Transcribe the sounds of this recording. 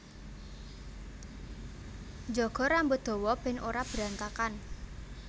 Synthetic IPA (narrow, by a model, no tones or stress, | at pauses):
d͡ʒɔɡ̥ɔ̤ɾambʊt̪̚d̪̥ɔ̤wɔb̥ɛnʔoɾab̥ɾant̪akan